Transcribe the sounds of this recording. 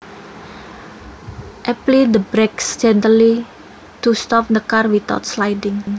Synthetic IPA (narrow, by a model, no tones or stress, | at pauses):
ʔɛplid̪əbɾeksd͡ʒɛnt̪əli | t̪ust̪ɔp̚nəkarwit̪ɔ̰t̪slajdɪŋ